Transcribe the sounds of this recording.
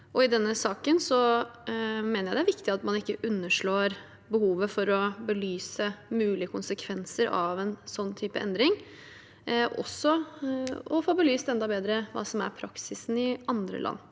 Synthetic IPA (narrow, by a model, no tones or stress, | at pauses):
ʔɔɪd̪ɛnːəsɑːkənsɔ | meːnəɾæɪd̪ɛæɾʋɪkt̪ɪɑt̪mɑnɪkːəʔʉnːəʂɭoːɾ | bəhuːʋəfɔɾɔbəlyːsəmʉːlɪəkʰʊnsəkʰʋɛnsəɾɑ̰ʋɛnsɔnːt̪ʰyːpəɛ̰nd̪ɾɪŋ | ʔɔ̰sːɔ | ɔfoːbəlyːst̪ɛnd̪ɑbeːd̪ɾəʋɑ̰ːsɔmæ̰ɾpʰɾɑksɪsn̩ɪɑnd̪ɾə̰lʔɑ̰nː